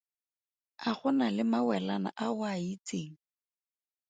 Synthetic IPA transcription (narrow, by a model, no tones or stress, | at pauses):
aχʊnalɪmawɛlana̰ʔawait͡seːŋ̩